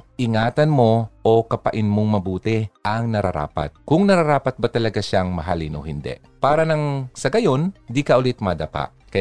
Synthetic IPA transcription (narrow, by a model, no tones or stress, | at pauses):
ʔɪŋaːt̪ɐnmo̞ʔokɐpɐʔɪnmoŋmɐbuːt̪ɛʔɐŋnɐɾa̰ɾa̰ːpɐ̰t̪̚kʊŋnɐɾaɾaːpɐt̪̚bɐt̪ɐlɐɡaʃaŋmɐɦalɪnʔo̰hɪnd̪ɛ̰ | paːɾɐnɐŋsɐɡɐjo̞nd̪ikɐʔʊlɪt̪mɐd̪apa̰ʔ | kɐ